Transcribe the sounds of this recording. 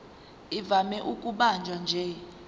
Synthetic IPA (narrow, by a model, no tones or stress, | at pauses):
ivamɛʔukʼuɓand͡ʒʱand͡ʒʱɛ